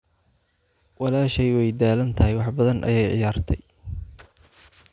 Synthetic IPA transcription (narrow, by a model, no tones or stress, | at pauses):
wɑlaːʃɛjwɛjd̪aːlɐnt̪ʰɐɦɪjwɑħbɐðɐnʔɐ̰jɛjʕɪ̰jaːrt̪ʰɛj